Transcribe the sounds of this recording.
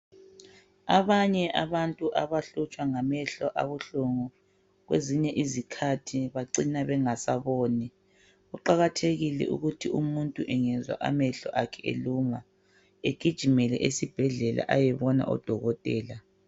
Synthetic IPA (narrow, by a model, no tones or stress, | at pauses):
aβaɲɛʔaβantʼuʔaβaɬut͡ʃʼwaŋamɛɬɔʔa̰βuɬoŋɔ | ɣweziɲɛʔizikʰatʰiβaǀinaβɛŋasaβɔːni | ɣuǃaɣatʰeɣilɛ̰ʔṵɣutʰiumuntʼuʔɛŋɛzwa̰ʔa̰mɛɬɔʔakʰɛḛluma | eɡ̥ʱid̥ʒ̥ʱimɛlɛ̰ʔesib̥ʱɛɮɛla̰ʔajɛβɔna̰ʔɔ̰d̥ʱɔɣɔtʼɛːla